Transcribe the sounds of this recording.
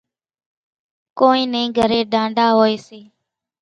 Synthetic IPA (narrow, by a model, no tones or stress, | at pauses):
koːĩːnəĩːɡʱəɾeːɖãːɳɖaːɦoːeːseː